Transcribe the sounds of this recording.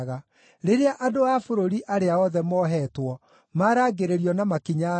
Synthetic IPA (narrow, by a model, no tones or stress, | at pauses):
ɣa | ɾeɾeaʔadoafoɾoɾiʔaɾeaɔðɛmɔɦɛtwɔ | maɾaːɡeɾeɾiɔnamakiɲa